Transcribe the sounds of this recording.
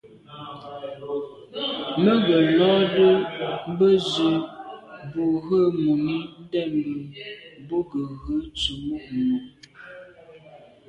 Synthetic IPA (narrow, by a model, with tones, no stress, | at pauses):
mə˦ɡə˨lɔ˦də˦m˦bə˦zə˨ | bu˨ɣə˦mu˨mi˦n˦dɛ˦˨mbə˨bo˦ɡə˨ɣə˦t͡su˨mu˦˨ʔmu˨